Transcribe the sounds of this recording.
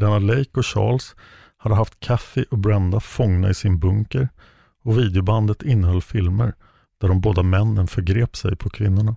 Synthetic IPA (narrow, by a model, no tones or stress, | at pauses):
lɛnad̪lɛjkɔɕɑ̰ːls | had̪ːəɦaft̪kʰafɪʔɔbɾand̪afɔŋna̰ɪsɪnbɵŋkəɾ | ɔviːd̪ɛʊband̪ət̪ɪnːəɦhœlːfɪlmə̰ɾ | d̪̥æɖɔmboːd̪amɛnːənfœɾɡɾeːpsɛ̰jpʰɔkʰvɪnːʊɳa